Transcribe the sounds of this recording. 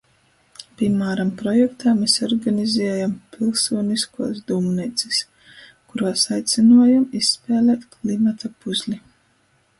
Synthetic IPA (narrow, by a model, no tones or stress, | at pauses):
pʲimaːɾampɾɔjɛkt̪aːmesɔɾɡanizʲɛːjampilˠsuɔniskṵɔsd̪umnɛt̪si̥s | kuɾuaɔsajt̪sʲinuɔjamissːpɛːlʲɛːt̪klˠimat̪apuzʲlʲi